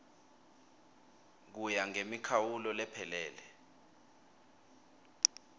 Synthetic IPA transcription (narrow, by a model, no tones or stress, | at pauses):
k̬ujaŋemikʰawulɔlɛpʰɛlɛːlɛ